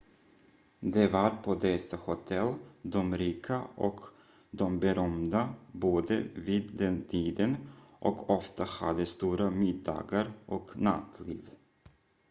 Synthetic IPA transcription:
d̪ɛvaɾpʰɔd̪ɛsahʊt̪ʰɛld̪ɔmɾiːkʰaʔɔk | d̪ɔmbɛɾœmd̪aboːd̪əviːd̪d̪ɛnt̪ʰiːd̪ənʔɔkʰɔft̪ahad̪ːəst̪uːɾamɪd̪ːɑ̰ːɡaɾʔɔkna̰t̪ʰlḭːv

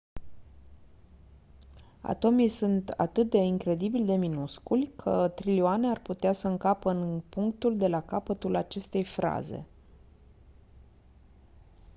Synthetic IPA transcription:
a̰t̪o̞mijsunt̪a̰t̪ɨt̪̚d̪e̞iŋkɾe̞d̪ibilʲd̪e̞minuskulʲkʰət̪ɾilioane̞arput̪easəɨŋkapəɨnpuŋk̚t̪uld̪e̞lakapət̪ulat͡ʃe̞st̪e̞jfɾa̰ze̞̰

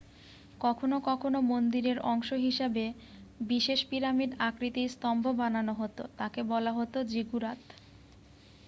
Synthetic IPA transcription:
kɔkʰonokɔkʰonomond̪iɾeɾɔŋʃoɦiʃabe | biʃeʃpiɾamiɖakɾit̪ijst̪ɔmbʱobananoɦot̪o̰t̪akebɔlaɦot̪od͡ʑiɡuɾat̪

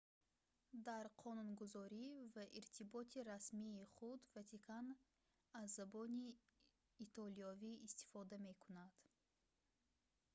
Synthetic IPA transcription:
d̪aɾqʰɔnunɡuzɔɾivaʔiɾt̪ʰibɔt̪ʰiɾasmiːχud̪vat̪ʰikʰan | azːabɔniː | t̪ʰɔliɔviːst̪i̥fɔd̪ame̞kʰunad̪̥

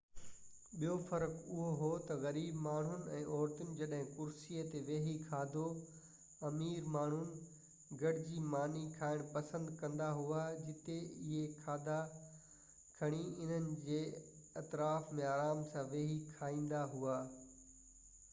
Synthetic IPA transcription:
ɓijofɐɾəkʊɦoɦot̪ɐɣɐɾiːbmaːɳ̤ʊnɪ̆ɛ̃ːʔɔːɾt̪ʊnɪ̆d͡ʑɐɗɦɪ̃kʊɾsiːət̪eʋeːɦikʰaːd̪ʱo | ɐmiːɾmaːɳ̤ʊnɪ̆ | ɡɐɽɪd͡ʑiːmaːnikʰaːɪɽ̃pɐsə̃nd̪kɐ̃nd̪aɦuad͡ʑɪt̪eɪɦekʰaːd̪ʱa | kʰɐɽ̃iɪn̤ənɪ̆d͡ʑeː | ɐt̪ɾaːfmẽaːɾaːmsãʋeːɦikʰaːĩːnd̪aɦuaː

